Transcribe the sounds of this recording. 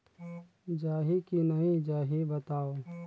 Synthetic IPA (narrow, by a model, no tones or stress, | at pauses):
d͡ʒaːɦikinɐĩd͡ʒaːɦibɐt̪aːo